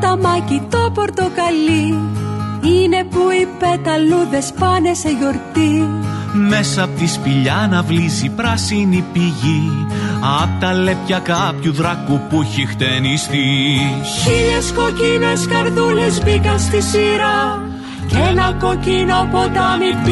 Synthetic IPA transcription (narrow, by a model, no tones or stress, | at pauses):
t̪ɐmɐcit̪o̞po̞ɾt̪o̞kɐli | ine̞puipet̪ɐluðespɐne̞se̞ʝo̞ɾt̪i | me̞sɐpot̪ispiʎɐnɐvlizipɾɐsinipiʝi | ɐpt̪ɐlepçɐkɐpçuðɾɐkupuçixt̪enist̪i | çiʎesko̞cineskɐɾðulezbikɐnst̪isiɾɐ | cenɐko̞cinopo̞t̪ɐmi